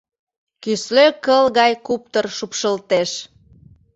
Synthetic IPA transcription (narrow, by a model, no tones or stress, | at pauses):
kysløkəlɣɑjkup̚t̪ərʃupʃəlt̪eʃ